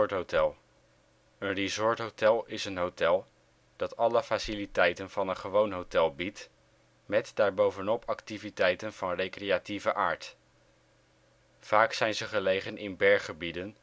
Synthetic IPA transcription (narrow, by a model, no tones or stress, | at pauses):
ɹtɦowtɛlˠ | ənrizɔɹtɦowtɛlˠɪsənɦowtɛlˠ | d̥ɑtɑləfasilitɛjtənv̥ɑnənχəʋownɦowtɛlˠbit | mɛtdaːɹbowvənɔpɑktivitɛjtənv̥ɑnrejkrejativəʔaːɹt | faːksɛjnzəχəlejχənɪnbɛɹχəbidən